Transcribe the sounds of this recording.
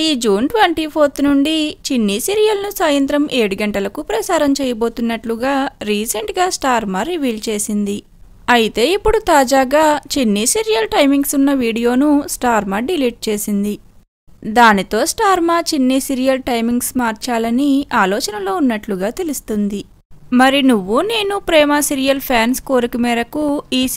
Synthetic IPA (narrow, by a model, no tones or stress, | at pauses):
iːd͡ʒuːnʈʋeɳʈipʰoːɾt̪nuɳɖit͡ʃinːisiːɾijɐlnusaːjɐnt̪ɾɐmʔe̞ːɽuɡɐɳʈɐlɐkupɾɐsaːɾɐmt͡ʃɛːjɐbo̞ːt̪unːɐʈluɡaːɾiːsɐɳʈɡaːsʈaːɾmaːɾiʋiːlt͡ʃe̞ːsind̪i | ɐjit̪e̞ːipːuɽut̪aːd͡ʒaːɡaːt͡ʃinːisiɾijɐlʈɐjmiŋɡsunːɐʋiːɽijo̞ːnusʈaːɾmaːɖiliːʈ̚t͡ʃe̞ːsind̪i | d̪aːnit̪o̞ːsʈaːɾmaːt͡ʃinːisiɾijɐlʈɐjmiŋɡsmaːɾt͡ʃaːlɐniaːlɔːt͡ʃɐnɐlo̞ːunːɐʈluɡaːt̪elust̪und̪i | mɐɾinuʋːune̞ːnupɾɛːmaːsiɾijɐlpʰjaːnsko̞ːɾikimɛːɾɐkuiː